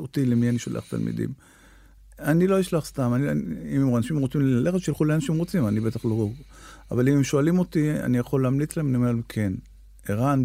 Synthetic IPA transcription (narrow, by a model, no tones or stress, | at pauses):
ot̪ilemianiʃolḛa̰̥t̪a̰lmḭd̪ḭm | anilo̞iʃlaχst̪amaniimmanaʃimʁot͡simlaleχeʃilχuleanaʃimʁot͡simanibe̞t̪aχloʁoʁ | a̰valimemʃoalimo̞t̪ia̰nijaχo̞leamlit͡slaemnimelkʰe̞n | eʁan